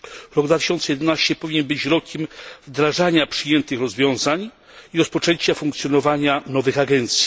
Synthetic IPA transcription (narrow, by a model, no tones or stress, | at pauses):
ɾɔɡd̪vat̪ɘ̥ɕɔnt̪sɛjɛd̪ɛnaɕt͡ɕɛpɔvʲiɲɛnbɘt͡ɕɾɔkʲɛmvd̪ɾaʐaɲapʂɘjɛnt̪ɘxɾɔzvʲjɔ̃w̃zaɲ | iɾɔspɔt͡ʂɛɲt͡ɕafuŋkt̪sʲjɔnɔvaɲanɔvɘxaɡɛnt̪sʲji̥